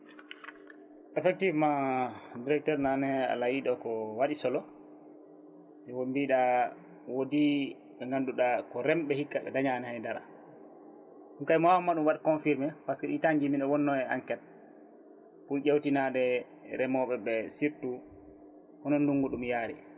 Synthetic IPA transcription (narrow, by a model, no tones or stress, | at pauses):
ʔɛfɛk̚tivmadiɾɛk̚tɛɾnanɛa̰lajiɗɔkɔwaɗisɔlɔ | sɛwombiɗa | wodi | ɓɛŋɡanduɗakɔɾɛmɓɛhikːaɓɛ̰daɲanɛhajndaɾa̰ | ɗumkajmawamːaɗumwaɗkɔnfiɾmɛpaskɛɗitaɲɡiminɔwɔnːɔɛaŋkɛt̚ | puʄewtinaɗɛ | ɾɛmɔɓɛɓɛsiɾtu | hɔnɔnduŋɡuɗumjaːɾɛ